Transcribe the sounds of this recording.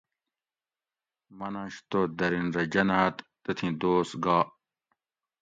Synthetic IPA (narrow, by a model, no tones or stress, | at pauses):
mɐnɐ̃ɕt̪oːd̪ɐɾinɾɐd͡ʑɐnaːt̪ːɐt̪ʰĩd̪oːsɡaː